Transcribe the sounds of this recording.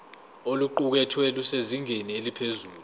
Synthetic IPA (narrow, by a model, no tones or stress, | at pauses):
oluǃuk̬ɛtʰwɛluseziŋenielipʰezuːlu